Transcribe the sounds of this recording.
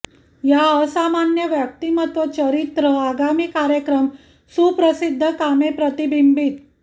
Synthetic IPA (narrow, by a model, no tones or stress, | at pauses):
jaəsamanjəʋjək̚t̪imət̪ʋət͡ɕəɾit̪ɾəaɡamiːkaɾjəkɾəm | supɾəsid̪ʱːəkamepɾət̪ibʱimbit̪